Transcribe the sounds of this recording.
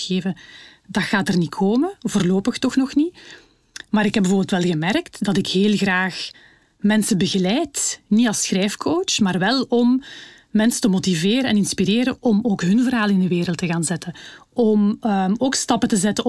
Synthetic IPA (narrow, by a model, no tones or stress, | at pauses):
ɣeːvədɑxaːtərnikʰoːməvoːrloːpəxtɔxnɔxni | maːɾɪkɦɛbəvorbɪltʋɛlˠɣəmɛrktdɑtɪkheːlˠɣraːx | mɛnsəbəɣəlɛjtniɑlˠsxrɛjfkʰoːt͡ʃmaːrʋɛlˠɔmː | ɛnsətəmotiveːɾəɛnɪnspiɾeːɾəʔɔmoːkɦɵnvərɦaːlˠɪndəʋeːɾəlˠtəɣaːnzɛtəɔmoːkstɑpətəzɛtə